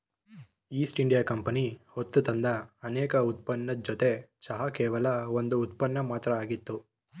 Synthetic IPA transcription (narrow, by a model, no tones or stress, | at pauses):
iːsʈiɳɖijaːkɐmpɐnihot̪ːut̪ɐnd̪ɐːnɛːkɐut̪̚pɐnːɐd͡ʒot̪e̞sɐɦɐkɛːʋɐlɐond̪uːt̪̚pɐnːɐmaːt̪ɾɐaːɡit̪ːu